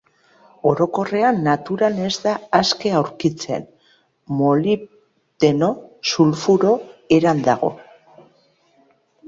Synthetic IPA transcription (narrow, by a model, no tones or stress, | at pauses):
o̞ɾo̞ko̞re̞anːat̪uɾane̞zd̪aaske̞awɾkit͡se̞̰n | mo̞li | d̪e̞no̞sulfuɾo̞e̞ɾand̪aɣ̞o̞̰